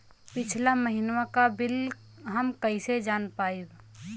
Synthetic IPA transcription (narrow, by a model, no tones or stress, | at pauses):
pɪt͡ʃʰlaməɦinwakabɪl | ɦəmkəised͡ʒaːnpaːib